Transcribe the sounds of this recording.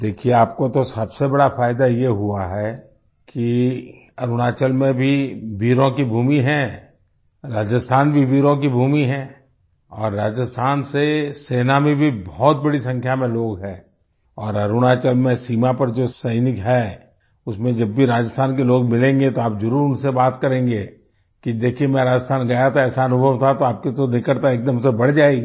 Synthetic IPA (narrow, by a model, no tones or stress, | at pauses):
d̪eːkʰieaːp̚kot̪osɐbsebɐɽafaːɪd̪ajeɦuaɦɛ | ki | ɐɾʊɽ̃aːt͡ʃəlmẽbʱiʋiːɾõkibʱuːmiɦɛ̃ː | ɾaːd͡ʒəst̪ʰaːnbʱiʋiːɾõk̬ibʱuːmiɦɛ̃ː | ɔːɾːaːd͡ʒəst̪ʰaːnseseːnamẽbʱibɔːt̪̚bɐɽisɐ̃ŋkʰjamẽloːɡɦɛ̃ː | ɔːɾɐɾʊɽ̃at͡ʃəlmẽsiːmapɐɾd͡ʒoːsɐɪnɪkɦɛ | ʊsmẽd͡ʒɐbːʱiɾaːd͡ʒəst̪ʰaːnkeloːɡ̚mɪlẽːŋɡet̪oaːpzɐɾuːɾʊnsebaːt̪kɐɾẽːŋɡeː | kid̪eːkʰiemɛ̃ɾaːd͡ʒəst̪ʰaːnɡɐjat̪ʰaɛːsaɐnʊbʱəʋt̪ʰat̪oaːp̚ket̪onɪkəɾt̪aeːk̚d̪əmsebɐɽ̤d͡ʒaːeɡi